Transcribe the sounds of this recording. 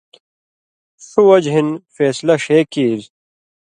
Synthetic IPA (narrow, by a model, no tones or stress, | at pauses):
suwɐd͡ʑɦinfeːslɐʂeːkiːz